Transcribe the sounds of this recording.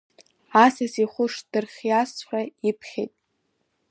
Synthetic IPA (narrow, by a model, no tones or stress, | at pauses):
asasiχʷʊʂd̥ɨrχʲjasħʷᶣaipʰχʲḛjtʼ